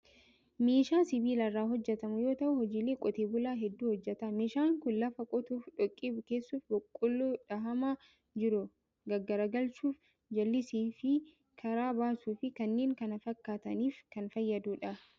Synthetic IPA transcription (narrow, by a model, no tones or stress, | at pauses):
meːʃaːsɪbiːlɐrːaːɦɔd͡ʒːɛt̪ɐmʊjo̞ːt̪ɐʔʊhɔd͡ʒiːleːkʼɔt̪eːbʊlaːɦɛd̪ːuːhɔd͡ʒːɛt̪ɐmeːʃaːŋkʊnlɐfɐkʼɔt̪uːfᶑɔkʼːiːbʊkeːsːuːfbɔkʼːʊlːuːᶑɐɦɐma | d͡ʒɪɾʊ | ɡɐɡːɐɾɐɡɐlt͡ʃuːf | d͡ʒɐlːɪsiːfɪ | kʰɐɾaːbaːsuːfɪkɐnːe̞ːŋkɐnɐfɐkːaːt̪ɐniːfkɐnfɐjːɐd̪uːᶑɐ